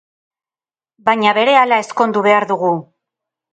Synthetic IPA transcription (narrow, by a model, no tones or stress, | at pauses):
baɲaβe̞ɾe̞alae̞sko̞nd̪uβe̞aɾðuɣu